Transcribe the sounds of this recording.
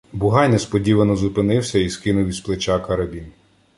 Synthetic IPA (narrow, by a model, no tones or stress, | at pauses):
bʊɦɑnʲːɐspɔdʲiʋɐnɔzʊpɪnɪwsʲɐiskɪnʊwʲisplˠet͡ʃɑkɐɾɐbʲin